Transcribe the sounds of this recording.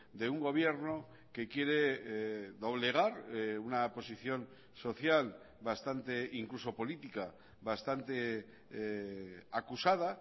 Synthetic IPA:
d̪e̞uŋɡo̞β̞je̞ɾno̞ | ke̞kje̞ɾe̞ | ðo̞β̞le̞ɣ̞aɾunapo̞siθjo̞n | so̞θjal | bast̪ant̪e̞iŋkluso̞po̞lit̪ika | βast̪ant̪e̞ | akusaða

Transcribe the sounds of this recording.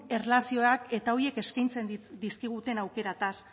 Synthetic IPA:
e̞rlasio̞akke̞t̪ao̞ɾie̞ke̞skajnt͡se̞nd̪iskiɣ̞ut̪e̞nawke̞ɾat̪as

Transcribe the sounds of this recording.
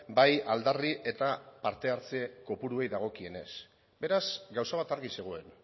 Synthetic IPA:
bajald̪ariʔe̞t̪apaɾt̪e̞aɾt͡seko̞puɾue̞jðaɣ̞o̞kie̞ne̞̰s | be̞ɾasɡawsaβ̞at̪aɾɣise̞ɣ̞oe̞n

